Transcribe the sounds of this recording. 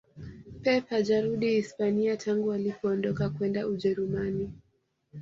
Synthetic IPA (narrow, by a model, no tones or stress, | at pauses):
pɛpaʄaɾuɗihispaniatʰaŋɡualipɔːndɔkakwɛndauʄɛɾumani